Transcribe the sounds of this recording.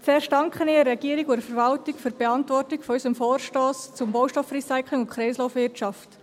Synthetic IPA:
t͡sɛːʃd̥ɑŋkχəniːɛrːɛɡiəɾikʊdəfəɾvɑltɪkfyɾb̥eɑntʋɔrtɪkfɔysəmfoːrʃtoːst͡sʊmbowʃtɔfrisaɪkʰlɪŋʊnkʰχɾɛɪsloʊfʋɪrtt͡ʃɑft

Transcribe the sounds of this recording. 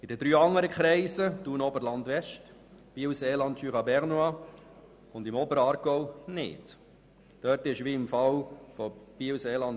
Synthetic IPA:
ɪd̥ədɾyːɑŋːəɾəkχɾɛɪsəd̥uːnɔbəɾlɑndʋɛʃtb̥iəwseːlɑntʃyːχɑbɛʁnuɑ | ʊndɪmɔbəɾəɑːɾɡ̥ɔʊnɪ̰t | d̥œtɪʃʋiɪmfɑlfob̥iːwseːlɑnd

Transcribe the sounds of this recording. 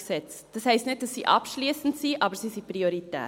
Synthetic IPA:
sɛt͡sd̥ɑshɛɪstnɪt̚d̥ɑsːiʔɑ̰pʃliːsn̩tsiːʔɑːbəɾsisiprioɾitɛ̰ː

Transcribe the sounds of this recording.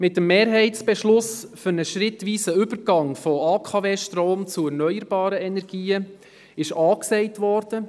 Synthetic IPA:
mɪt̚ːəmːeːɾɦɛɪtt͡sb̥ɛʃlʊsfʏɾnəʃɾɪtʋiːsəʏbəɾɡ̥ɑŋfɔɑːkʰɑveːʃtɾoːmt͡sʊɛɾnœʏəɾb̥ɑːɾəɛnɛɾɡ̥iːə | ɪʃɑːksɛɪtʋɔɾd̥ə

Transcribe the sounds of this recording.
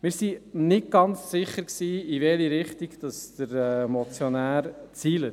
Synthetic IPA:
mɪːɾsinɪt̚ɡ̥ɑnt͡ssɪχːəɾksiːiʋɛliɾɪχtiɡd̥ɑsd̪̥əɾɛmɔt͡sjɔnæːɾt͡siːlə

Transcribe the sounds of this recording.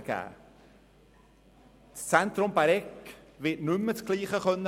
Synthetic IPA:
ɡ̥æ̰ː | st͡sɛnt̪ɾʊmbaɾɛkʋɪtnʏmːət͡skliːχəχœnːə

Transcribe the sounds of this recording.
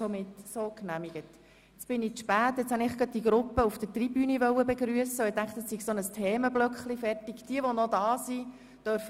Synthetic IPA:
ɔmɪtsoknæmiɡət | t͡sb̥ɪniʃpæːtːjɛt͡shɑnɪχɡ̥ɑd̚d̥iɡɾʊpːəufd̥ətribyːniʋœwəbɛɡɾyəsəɛtæŋkχtəssiɡsɔnəstʰeːməblœkχlifɛrtiɡd̥iəʋɔnɔdɑːsi | d̥œɾf

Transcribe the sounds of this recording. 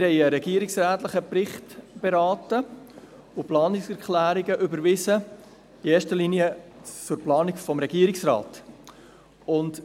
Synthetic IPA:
ɪɾhɛɪəɾɛɡiəɾɪksɾæːtləχəpɾɪχtb̥eɾɑːtə | ʊplɑːnɪksɛɾkχlæːɾiɡəʔʏbəɾvɪsə | ieːʃtəliniət͡sʊɾplɑːnikfɔmɾɛɡ̥iːəɾɪksɾɑ̰ːt | ʊnt

